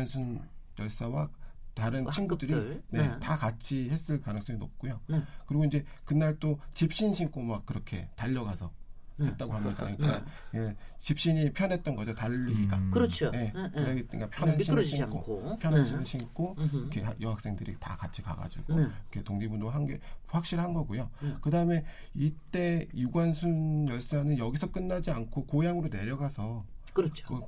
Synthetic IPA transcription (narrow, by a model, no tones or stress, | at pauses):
nsʰɯnjʌɭs͈awataɾɯnt͡ɕʰinɡudɯɾine̞takat͡ɕʰihe̞s͈ɯɭkanɯŋs͈ʌŋinop̚k͈ojokɯɾiɡoinɲd͡ʑe̞kɯnaɭt͈ot͡ɕip̚ɕ͈inɕʰiŋk͈ʰomak̚kɯɾʌkʰe̞̰taʎːʌɡasʰʌhet̚t͈aɡohamɲida̰inɡeet͡ɕip̚ɕ͈iɲipʰjʌne̞t̚t͈ʌnɡʌd͡ʑotaʎːiiɡakɯɾʌt͡ɕʰoje̞ɯɾeɡitkapʰjʌnanɕʰiɕiŋkʰo̰pʰjʌnanɕʰinɯɕʰink͈ʰoikʰe̞hajʌŋɦak̚s͈eŋdɯɾḭta̰kat͡ɕʰika̰ɡa̰d͡ʑiɡ̥okʰe̞toŋɲibunoɦanɡe̞̰ɸwak̚ɕ͈iɾhanɡʌɡojokɯdaɯme̞ | it͈e̞juɡwansʰunjʌɭs͈anɯnjʌɡisʰʌk͈ɯnːad͡ʑiankʰokojaŋɯɾone̞ɾjʌɡasʰʌkɯɾt͡ɕʰo̥kɯ